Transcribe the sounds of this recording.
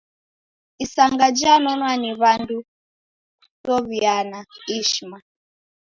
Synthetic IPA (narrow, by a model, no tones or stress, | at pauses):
isaŋɡad͡ʒanɔnwaniβandu | tɔβianaiʃma